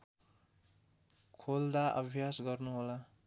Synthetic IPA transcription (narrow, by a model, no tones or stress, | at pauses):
kʰold̪aʌbʱjasɡʌrnuɦola